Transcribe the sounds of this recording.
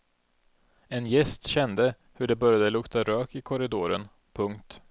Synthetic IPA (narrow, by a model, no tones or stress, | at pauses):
ɛnjɛst̪ɕɛnd̪ə | hɵɖɛbœɾjad̪əlɵkt̪aɾøːkɪkʰɔɾɪd̪oːɾən | pʰɵŋkt̪